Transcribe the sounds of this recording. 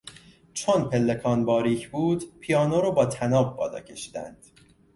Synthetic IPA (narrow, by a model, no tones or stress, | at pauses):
t͡ʃʰonpʰe̞lːekʰɒːnbɒːɾiːcʰbuːd̪pʰijɒːnoɾɔːbɒːt̪ʰænɒːb̚bɒːlɒ̰ːcʰe̞ʃi̥ːd̪æ̰nd̪̥